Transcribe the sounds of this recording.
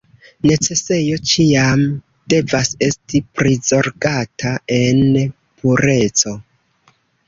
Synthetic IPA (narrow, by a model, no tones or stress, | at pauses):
ne̞t͡se̞se̞jo̞t͡ʃiam | d̥e̞vase̞stipɾizo̞ɾɡatʰae̞n | pʰuɾe̞t͡so̞